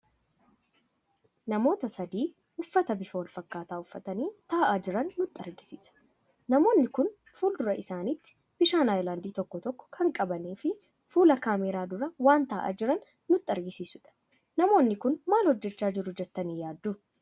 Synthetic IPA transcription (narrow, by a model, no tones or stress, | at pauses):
nɐmo̞ːt̪ɐsɐd̪iː | ʊfːɐt̪ɐbɪfɐwɐlfɐkːaːt̪aːʊfːɐt̪ɐniːt̪aːʔaːd͡ʒɪɾɐnːʊt̪ʼːɐɾɡɪsiːsɐ̥ | nɐmo̞ːnːɪkʊn | fuːld̪ʊɾɐʔɪsaːnɪt̪ːɪ̥ | b̥ɪʃaːnaːjlaːnd̪iːt̪ɔkːɔt̪ɔkːɔ̥kʰɐŋkʼɐbɐneːfɪ | fuːlɐkaːmɛɾaːd̪ʊɾɐwaːnt̪aːʔa̰ːd͡ʒɪɾɐnː | ʊt̪ʼːɐɾɡɪsiːsʊᶑɐ̥ | nɐmo̞ːnːɪkʊnmaːlhɔd͡ʒːɛt͡ʃːaːd͡ʒɪɾʊd͡ʒɛt̪ːɐniːjaːd̪ːu